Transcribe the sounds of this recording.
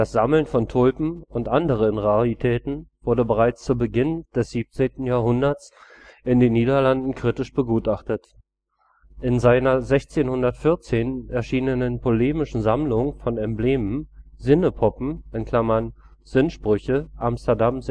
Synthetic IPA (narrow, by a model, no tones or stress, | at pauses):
d̥asz̥aml̩nfɔntʰʊlpm̩ʊntʔandəʁ̞ənʁaʁitʰɛːtn̩v̥ʊɐdəbəʁaɪt͡st͡suːɐbəɡɪnd̥ɛsz̥iːp̚t͡seːntn̩jaːɦʊndɐt͡s | ʔɪndeːnːiːdɐlandn̩kʁ̥itɪʃb̥əɡuːtʔaχtət | ʔɪnzaɪnɐzɛçt͡seːnhʊndɐtfɪɐt͡seːnɛɐʃiːnənənpʰoleːmɪʃn̩zamlʊŋfɔnɛmbleːməmzɪnəpʰɔpm̩ɪnkʰl̥amɐn | z̥ɪnʃpʁ̥ʏçəʔamstɐdamz